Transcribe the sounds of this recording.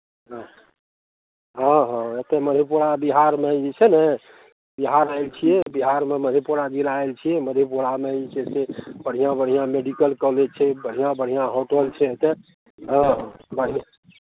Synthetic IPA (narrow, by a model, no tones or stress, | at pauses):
ɦə̃ | ɦə̃ɦə̃et̪eməd̪ʱepuɽabiɦaɾmeit͡ʃʰɛnə | biɦaɾəelt͡ʃʰijɛbiɦaɾmeməd̪ʱepuɽaɡiɾaelt͡ʃʰijɛməd̪ʱepuɽameid͡ʒesebəɽ̤ijãbəɽ̤ijãmeɖikəlkɔled͡ʒ̚t͡ʃʰɛbəɽ̤ijãbəɽ̤ijãɦoʈəlt͡ʃʰɛet̪e | ɦə̃ɦbəɽ̤ija